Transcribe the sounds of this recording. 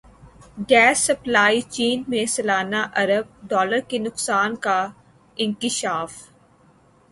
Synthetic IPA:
ɡɛːsːɐplaːit͡ʃiːnmẽsɐlaːnaʔɐɾəb̚ɖɔːləɾkenʊqsaːnka | ɪ̃ŋkɪʃaːf

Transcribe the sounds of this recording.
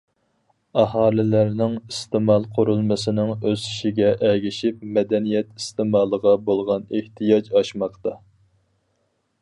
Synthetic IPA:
ɑɦɑːlɪlæɾnɪŋist̪ɪmɑlˠqʰʊɾulˠmɨsɪnɪŋøzi̥ʃiɡʲɛʔɛɡʲiʃip̚mɛd̪ɛnijɛt̪i̥st̪ɪmɑːlˠəʁɑbolˠʁɑneht̪ijɑd͡ʒɑʃmɑqt̪ɑ

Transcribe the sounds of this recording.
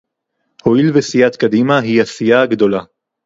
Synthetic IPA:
ho̞ilvesijat̪kad̪imaɦiasijaɡd̪o̞la

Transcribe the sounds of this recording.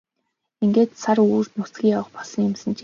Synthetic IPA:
iŋɡeːt̪saruːrt̪nʊsɡʲiːŋjawə̆χpɔsə̆ŋɪ̆msɘ̆nt͡ɕ

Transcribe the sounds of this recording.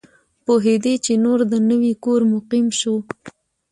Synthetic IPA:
poɦed̪et͡ʃenoɾd̪ənəwikoɾmʊqimʃo

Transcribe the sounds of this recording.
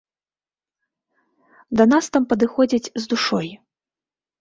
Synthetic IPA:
d̪ɐnast̪ampɐd̪ɨxɔd͡zʲit͡sʲzd̪uʂɔj

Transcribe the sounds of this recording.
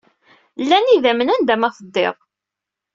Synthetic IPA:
lːæniðæmənænd̪æmæθəd̪ˤːḛðˤ

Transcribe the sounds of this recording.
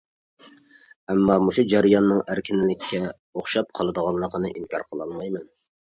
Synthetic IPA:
ɛmːɑmuʃud͡ʒæɾɨjɑnːɨŋæɾkʲʰɪnɪlɪkʲʰːɛ | oχʃɑp̚qʰɑlˠɨd̪əʁɑnlˠəqənɨʔinkʲʰɑ̰ɾqʰəlˠɑlmɑjmɛn

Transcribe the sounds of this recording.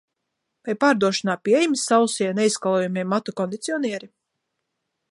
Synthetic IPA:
pajpaːɾd̪uɔʃɔnaːpʲiɛjmsːawsiɛneiskalˠɔjumʲɛmːat̪ɔkɔnd̪it̪sʲiɔniɛɾi

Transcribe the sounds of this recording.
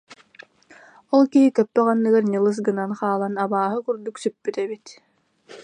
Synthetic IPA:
ɔlˠkiɦikœpːɛʁanːɯɡaɾɲɯlˠɯs̬ɡɯnanχaːlˠanabaːɦɯkyɾd̪uksypːyt̪ɛβit̪

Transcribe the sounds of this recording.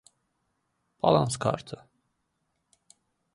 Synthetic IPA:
b̥ɑ̰lˠɑnskʰɑ̰ɾt̪ʰɯ

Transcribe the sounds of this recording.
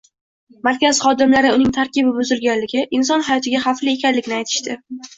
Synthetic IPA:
maɾkʲazχɒd̪ɪmlaɾɪʊnɪŋt̪ʰaɾkʲɪbɪbʊzɪɾɡʲanlɪɡʲɪʔɪns̬ɒnhajɒt̪ʰɪɡʲaχaflie̞kʲʰanlɪkʲnɪajt̪ʰɪ̥ʃt̪ɪ

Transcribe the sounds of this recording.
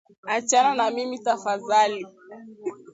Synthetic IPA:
at͡ʃananamimitafaðali

